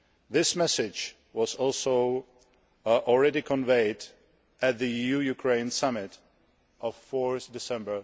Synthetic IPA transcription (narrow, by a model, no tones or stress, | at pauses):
ðɪsmɛsɪd͡ʒ | wɔzɔlˠsoʊ | ʔɔlɹɛdikʰɔ̃nveɪd | ʔæt̪̚ðɨjujukʰɹẽɪ̃nsamɪt | ʔɔffɔɹθdɪsɛ̃mbə˞